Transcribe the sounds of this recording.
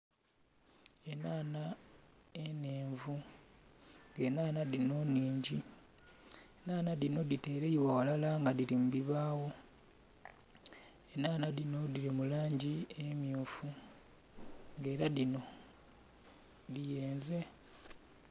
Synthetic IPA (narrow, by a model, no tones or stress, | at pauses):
e̞naːna | ene̞ːɱvu | ŋɡe̞naːnaðino̞nːiːɲɟi | enaːnalino̞dite̞ːɾeiβawalalaŋɡaðilimuβiβaːwo | enaːnalino̞diɾimulaːɲɟiemjuːfu | ŋɡe̞ːɾalino̞ | ðije̞ːnze̞